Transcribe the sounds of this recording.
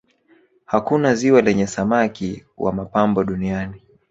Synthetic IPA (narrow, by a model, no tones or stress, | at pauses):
hakunaziwalɛɲɛsamakiwa̰mapambɔɗuniani